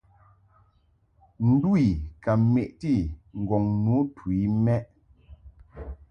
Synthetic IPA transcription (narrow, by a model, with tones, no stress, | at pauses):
n̩˦du˦i˨ka˨me˨ʔti˦˨ŋ̩˨ɡɔ˨ŋnu˨˦twi˨˦mɛ˦ʔ